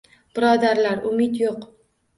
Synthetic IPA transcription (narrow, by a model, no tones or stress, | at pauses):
b̥ɪɾɒd̪aɾlaɾʊmɪt̪joq